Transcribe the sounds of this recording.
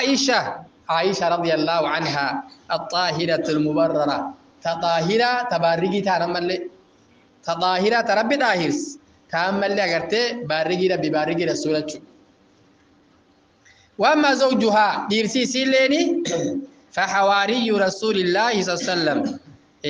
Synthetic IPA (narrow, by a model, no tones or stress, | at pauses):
aːʔɪʃɐʔaːʔɪʃɐɾˤɑd̪ɪjɐlːaːhʊʕanɦaːʔɐt̪ˤʼːɑːɦɪɾɐt̪ɐlmʊbɐrˤːɑɾɐ | t̪ɐt̪ʼɑːɦɪɾaːt̪ɐbaːrːɪɡɪt̪aːnɐmːɐlːɛ | t̪ɐt̪ʼɑːhɪɾaːt̪ɐɾɐbːɪᶑ̪ʼaːhɪɾs | t̪aɐmːɐlːɛɐɡɐɾt̪eːbaːrːɪɡɪːd̪ɾɐbːɪbaːrːɪɡɪːɾɐsuːɾɐt͡ʃːʊᶑ | wɐamːaːzɐwd͡ʒʊɦaːᶑiːɾsiːsiːlːeːnɪ | fɐħawaːɾɪjːʊɾɐsuːlɪlːaːhɪs̬sɐlːɐm